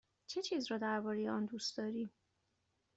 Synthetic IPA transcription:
t͡ʃʰe̞t͡ʃʰiːzrɒːd̪æɾbɒːɾe̞jeɒnd̪ust̪d̪ɒːɾiːm

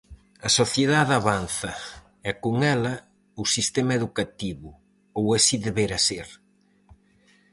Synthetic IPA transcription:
ɐsoθjeðaðaβan̟θɐ | ɛkoŋɛlɐ | usist̪ɛmɐeðukat̪iβʊ | owasiðeβeɾɐseɾ

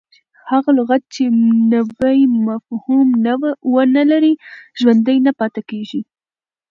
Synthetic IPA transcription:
haɣalʊɣat̪̚t͡ʃenawajmafhumwənalaɾiʒwand̪əjnapɑt̪akeʒi

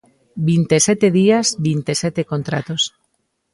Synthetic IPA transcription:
bint̪esɛt̪eðiazbint̪esɛt̪ekont̪ɾa̰t̪os

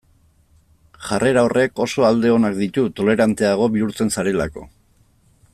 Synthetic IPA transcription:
ʝarʔeɾaorʔe̞ko̞so̞ald̪e̞o̞nak̚d̪it̪ut̪o̞le̞ɾant̪e̞aɣ̞o̞βiuɾt͡se̞nsaɾe̞lako̞̰

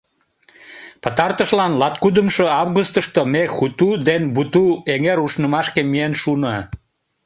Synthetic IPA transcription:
pət̪ɑrt̪əʃlɑnlɑt̪kud̪əmʃoɑvɣust̪əʃt̪omexut̪ud̪enbut̪ueŋeɾuʃnəmɑʃkemienʃunɑ

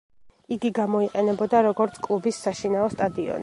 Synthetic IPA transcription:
iɡiɡamɔiqʼɛnɛbɔd̪aɾɔɡɔɾt̪sʰkʼlˠubisːaʃinaɔst̪ʼad̪iɔ̰n

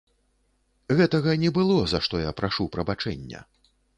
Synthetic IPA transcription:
ɣɛt̪ɐɣɐnʲɛbɨlˠɔzaʂt̪ɔjapɾaʂupɾɐbat͡ʂɛ̰nʲːɐ̰

